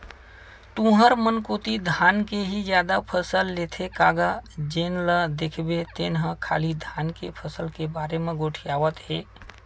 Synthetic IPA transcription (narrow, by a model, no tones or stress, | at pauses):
t̪ũɦəɾmənkoːt̪id̪ʱaːnkeɦid͡ʒjaːd̪apʰəsəlːet̪ʰekaːɡad͡ʒeːnləd̪ekʰbet̪eːnɦə̃kʰa̰ːlid̪ʱaːnkḛpʰəsəlkebaːɾemẽɡoʈʰijaːʋət̪ɦeː